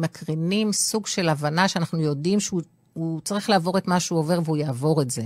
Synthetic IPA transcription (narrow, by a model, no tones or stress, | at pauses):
makʁinimsuɡʃe̞lavanaʃeanaχnujo̞dimʃeu | ut͡saʁiχlaːvo̞ʁetmaʃeuo̞ve̞ʁveujaːvo̞ʁetze